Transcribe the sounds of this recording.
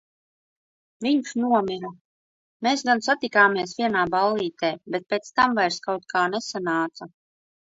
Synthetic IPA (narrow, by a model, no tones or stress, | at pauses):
viɲʃnuɔmiɾa | meːsɡansat̪ikaːmiɛsvʲiɛnaːbalˠːiːt̪eːbɛt̪̚peːt̪st̪amvajɾskawt̪̚kʰaːnesanaːt̪sa